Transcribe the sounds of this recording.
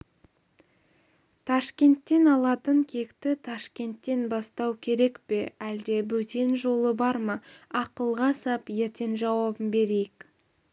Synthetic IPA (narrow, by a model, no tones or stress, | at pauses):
t̪ʰɑʃkʲe̞nt̪ːe̞nɑlˠɑt̪əŋkʲʰe̞kt̪ɪt̪ʰɑʃkʲe̞nt̪ːe̞nbɑst̪ɑwkʲʰe̞ɾe̞kpe̞æld̪e̞bɵt̪e̞nʒo̞lˠəbɑɾmɑɑqəlˠʁɑsɑpje̞ɾt̪e̞nʒɑwɑbəmbe̞ɾejɪk